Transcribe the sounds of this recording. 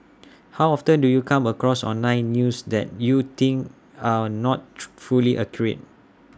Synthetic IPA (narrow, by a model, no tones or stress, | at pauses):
hawɔftə̃ndujukʰãməkɹɔsɔ̰̃nlãɪ̃nːjusdɛ̰t̚jut̪ĩŋk | anɔt̚fuliʔəkʰjɹḛt̚